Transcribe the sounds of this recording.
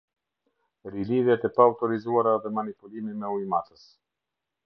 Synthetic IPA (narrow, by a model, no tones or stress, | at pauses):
ɾiliviat̪ɛpawt̪oɾizuaɾavɛmanipulimimɛujmat̪əs